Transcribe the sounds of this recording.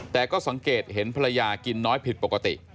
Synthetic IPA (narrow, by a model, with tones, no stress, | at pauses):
t̪ɛː˨˩kɔː˥˩sa˩˦ŋkeː˨˩t̪̚he˩˦npʰa˧ɾa˧jaː˧ki˧nːɔː˦˥jpʰi˨˩t̪̚po˨˩ka˧t̪ḭ˨˩ʔ